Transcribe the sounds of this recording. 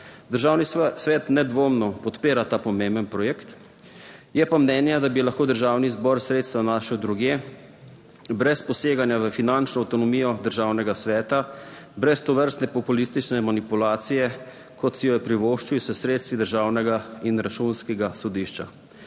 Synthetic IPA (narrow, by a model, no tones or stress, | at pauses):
d̪əɾʒaːwnisʋɛːt̪nɛd̪ʋoːmnɔpɔt̪peːɾat̪aːpɔmeːmbənpɾɔjeːkt̪ | jɛpamnɛːnjad̪abilaxkoːd̪əɾʒaːwnizbɔɾsɾeːt̪st̪ʋanaːʃɛd̪ɾuɡeː | bɾɛspɔseːɡanjaʋəfinant͡ʃnɔawt̪ɔnɔmiːjɔd̪əɾʒaːwnɛɡasʋɛːt̪abɾɛst̪ɔʋəɾst̪nɛpɔpulist̪it͡ʃnɛmanipulaːt̪sijɛ | kɔt̪sijɔjɛpɾiʋoːʃt͡ʃujusəsɾeːt̪st̪ʋid̪əɾʒaːwnɛɡainɾat͡ʃunskɛɡasɔd̪iːʃt͡ʃa̰